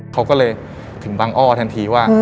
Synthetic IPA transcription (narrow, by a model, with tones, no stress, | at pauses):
kʰa˦˥wkɔː˥˩lɤː˧j | t̪ʰɯ˨˩˦ŋbaː˧ŋʔɔː˥˩t̪ʰɛ˧nt̪ʰiː˧waː˥˩